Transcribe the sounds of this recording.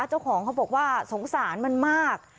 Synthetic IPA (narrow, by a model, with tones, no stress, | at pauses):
a˦˥t͡ɕa˥˩wkʰɔː˩˦ŋkʰa˦˥wbɔː˨˩k̚waː˥˩so˩˦ŋsaː˩˦nma˧˥˨nmaː˥˩k̚